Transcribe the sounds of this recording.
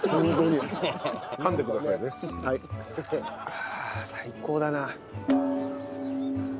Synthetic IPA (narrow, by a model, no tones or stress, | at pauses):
hõŋɡoɲʲi | kãnd̪ekɯ̟d̪asainehai | asaiko̞ːd̪ana